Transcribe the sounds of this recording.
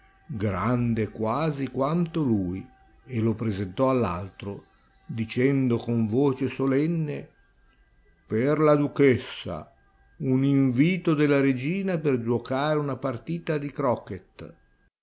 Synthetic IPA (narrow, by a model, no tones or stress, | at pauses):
ɡɾand̪ekwaːzikwant̪oluːj | elopɾezent̪ɔalːa̰lt̪ɾo | d̪it͡ʃɛnd̪okoɱvoːt͡ʃesolɛnːe | perlad̪ukesːa̰ | uniɱviːt̪od̪elːaɾed͡ʒiːnaperd͡ʒwokaːɾeunapart̪iːt̪ad̪ikɾɔket̪